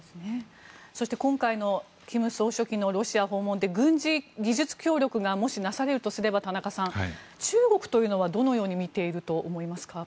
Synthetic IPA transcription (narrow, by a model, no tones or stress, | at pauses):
esɨne | so̞ɕi̥t̪ekõ̞ŋkaino̞ | kʲimɯ̟so̞ːɕo̞kʲino̞ɾo̞ɕiaɦo̞ːmond̪e̞ɡɯ̟̃ɲ̟d͡ʑiɡʲiʑɨt͡sɨ̥kʲo̞ːɾʲo̞kɯ̟ɡamo̞ɕinasaɾe̞ɾɯ̟t̪osɨɾe̞bat̪anakasãŋ̃t͡ɕɨːɡo̞kɯ̟̥t̪o̞jɯ̟ːno̞βad̪o̞no̞jo̞ːɲ̟imʲit̪e̞iɾɯ̟t̪o̞ʔːmo̞imasɨ̥ka